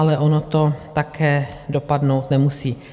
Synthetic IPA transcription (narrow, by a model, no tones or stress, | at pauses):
alɛʔonot̪o̞t̪akʰɛːdo̞padnowt̪nɛmusiː